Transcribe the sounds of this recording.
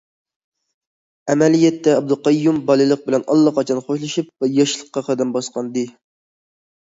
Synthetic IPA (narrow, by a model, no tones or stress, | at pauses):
æmɛlijɛt̪ːɛːb̚d̪ɨqɑjːumbɑlˠɨlˠəq̚bɪlɛnɑ̰lˠːɑqɑt͡ʃʰɑnχoʃlˠɨʃip̚vɛjɑʃlˠəqːɑqʰɑd̪ɛmbɑsqɑnd̪ɨ